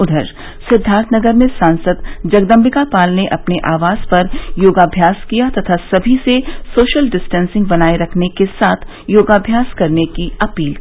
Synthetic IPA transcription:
ʊd̪ʱəɾ | sɪd̪ʱaːɾt̪ʰnɐɡəɾmẽsãːnsəd̪d͡ʒɐɡd̪ə̃mbʱɪkapaːlneʔɐpneʔaːʋaːz̥pɐɾjoːɡaːbʱjaːskijat̪ɐt̪ʰasɐbʱisesoːʃəlɖɪsʈɛ̃ːnsɪ̃ŋɡ̚bɐnaːeɾɐkʰnekesaːt̪ʰ | joːɡaːbʱjaːskɐɾnekiɐpiːl

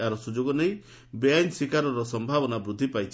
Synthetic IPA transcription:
aɾɔsud͡ʒoɡɔnej | bejaɲsikaɾɔɾɔsɔmbʱabɔnabɾud̪ʱːipajt͡ʃʰ

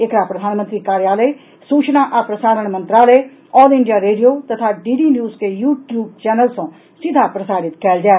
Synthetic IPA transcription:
ɪkɾaːpɾəd̪ʱaːnmənt̪ɾiːkaːɾjaːləe | suːt͡ʃnaːʔapɾəsaːɾəɳ̃mə̃nt̪ɾaːləe | ɔːlɪɳɖijaːɾeːɖijoːt̪ət̪ʰaːɖiːɖiːnjuːzkeːjuːʈjuːb̚t͡ʃɛːnəlsõː | sɪd̪ʱaːpɾəsaːɾɪt̪kɛːld͡ʒaː

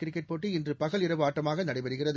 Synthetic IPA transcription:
kɪɾɪkːɐʈ̚poːʈːiɪndrɯpɐɣɐɭɪɾɐʋɯaːʈːɐmaːɣɐnɐɽɐɪpɐɾɯɣɪrɐð

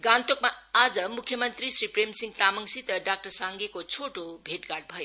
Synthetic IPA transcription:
ɡant̪okmaad͡zʌmukʰːjʌmʌnt̪risripremsiŋɡ̚t̪amʌŋsit̪ʌɖak̚ʈʌrsaŋɡekot͡sʰoʈobʱeʈɡarɖ̚bʱʌjo

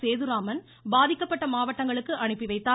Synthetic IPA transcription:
seːðɯɾaːmɐn | baːðɪkːɐpːɐʈːɐmaːʋɐʈːɐŋɡɐɭɯkːɯʔɐɳɯpːɪʋɐɪt̪ːaː

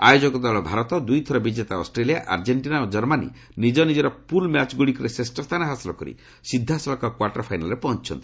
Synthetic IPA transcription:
ajod͡ʒɔkɔd̪ɔlɔbʱaɾɔt̪ɔd̪ujt̪ʰɔɾɔbid͡ʒet̪aɔ̰sʈɾelijaʔaɾd͡ʒeɳʈinaod͡ʒɔɾmanḭ | nid͡ʒɔnid͡ʒeɾɔpulmjat͡ʃɡuɽikɔɾesesʈɔst̪ʰanɔɦasilɔkɔɾḭ | sid̪ʱːasɔlɔkɔkwaʈɔɾpʰajnalɔɾepɔɦɔnt͡ʃʰɔ̰nt̪i̥

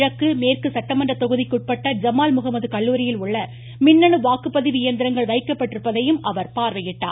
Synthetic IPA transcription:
ɻɐkːɯmeːrkɯsɐʈːɐmɐɳɖrɐt̪ɔɣɯðɪkːʊʈ̚pɐʈːɐd͡ʒɐmaːlmʊɣɐmɐðɯkɐɭːuːɾɪjɪlʊɭːɐ | mɪnːɐɳɯʋaːkɯpːɐðɪʋɪɪjɐnd̪ɪɾɐŋɡɐɭʋɐɪkːɐpːɐʈːɪɾɯpːɐðɐjɯmʔɐʋɐɾpaːɾʋɐjɪʈːa̰ː

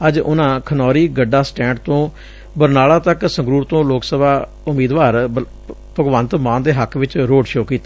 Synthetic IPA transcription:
əd͡ʒʊ̰nãːkʰənɔːɾiːɡəɖaːsʈɛ̃ːɳɖt̪õː | bəɾnaːlãːt̪əksə̃ŋɡɾuːɾt̪õːloːksəbaː | ʊmiːd̪ʋaːɾ | pəɡʋənt̪mãːnd̪eːɦəkʰʋɪt͡ʃɾoːɖʃoːkiːt̪a

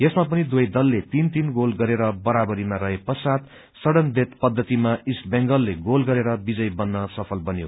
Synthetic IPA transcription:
jesmap̬ʌnid̪wojd̪ʌlːet̪int̪inɡolɡʌɾeɾʌbʌɾabʌɾimaɾʌɦepʌsat̪ | sʌɽʌnbet̪pʌd̪ʱːʌt̪imaisbeŋɡʌlːeɡolɡʌɾeɾʌbid͡zʌjbʌnːʌsʌpʰʌlbʌnjo

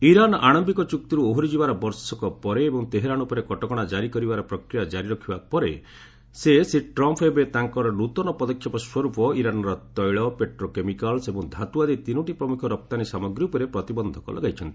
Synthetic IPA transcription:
iɾanaɽ̃ɔmbikɔt͡ʃuk̚t̪iɾuoɦɾid͡ʒibaɾɔbɔɾsɔkɔpɔɾeːbɔ̃ŋt̪eɦeɾañupɔɾekɔʈɔkɔɽ̃ad͡ʒaɾikɔɾibaɾɔpɾɔkɾijad͡ʒaɾiɾɔkʰibapɔɾe | sesiʈɾɔmpʰebet̪aŋkɔɾɔnut̪ɔnɔpɔd̪ɔkʰjɔpɔswɔɾupɔiɾanɔɾɔt̪ɔjɭɔpeʈɾokemikalsebɔŋd̪ʱat̪uad̪it̪inɔʈipɾɔmukʰɔɾɔp̚t̪anisamɔɡɾiupɔɾepɾɔt̪ibɔnd̪ʱɔkɔ̰lʔɔ̰ɡajt͡ʃʰɔnt̪ii

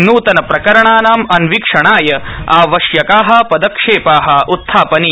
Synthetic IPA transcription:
nuːt̪ɐnɐpɾɐkɐɾɐɳaːnaːmɐnʋikʂɐɳaːjɐaːʋɐʃjɐkaːɦɐ̆pɐd̪ɐkʂeːpaːɦɐʔut̪ʰːaːpɐni

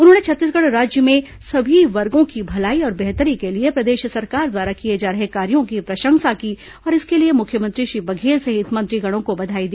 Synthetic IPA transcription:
ʊnɦõːnet͡ʃʰɐt̪ːiːs̬ɡɐɽɾaːd͡ʒjəmẽ | sɐbʱiʋɐɾɡõkibʱɐlaːiɔːɾbɛɦt̪əɾikeliepɾɐd̪eːʃsɐɾkaːɾd̪waːɾakied͡ʒaːɾɐɦekaːɾijõkipɾɐʃə̃ŋsaki | ɔːɾɪskeliemʊkʰjəmə̃nt̪ɾiʃɾiːbɐɡʱeːlseɦɪt̪mə̃nt̪ɾiɡɐɽ̃õkobɐd̪ʱaːid̪iː

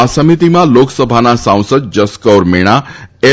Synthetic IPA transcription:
asəmit̪imãloksəbʱanasãw̃səd̪̚d͡ʒəskəɾmeɽ̃ae

